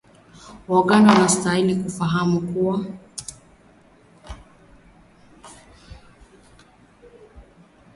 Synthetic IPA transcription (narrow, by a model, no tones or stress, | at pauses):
waɠanawanastailikufaɦamukuwa